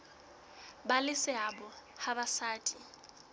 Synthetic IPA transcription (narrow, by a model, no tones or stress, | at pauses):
balɪsɪabɔhabasaːtʼi